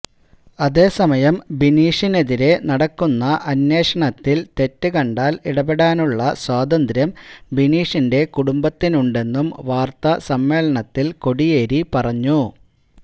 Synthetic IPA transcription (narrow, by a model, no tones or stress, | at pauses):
ɐðe̞ːsɐmɐjɐmbiniːʂine̞ðiɾe̞nɐɽɐkːunːɐʔɐnje̞ːʂɐɳɐt̪ːilt̪e̞tːɨkɐɳɖaːliɽɐbeɽaːnuɭːɐswaːd̪ɐnd̪ɾjɐmbiniːʂinde̞kuɽumbɐt̪ːinuɳɖe̞nːumʋaːrt̪ɐsɐmːe̞ːlɐɳɐt̪ːilko̞ɽijeːɾipɐrɐɲːu